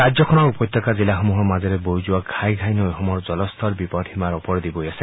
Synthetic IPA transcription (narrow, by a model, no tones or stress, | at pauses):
ɾad͡ʒjɔkʰɔnɔkupɔjt̪ːɔkad͡zilaxɔmuɦɔmad͡ʒeɾebojd͡ʒuwakʰajɡʱajnojɦɔmɔɾd͡ʒɔlɔst̪ʰɔɾbipɔʈʰimaɾɔpɔɾd̪ibojase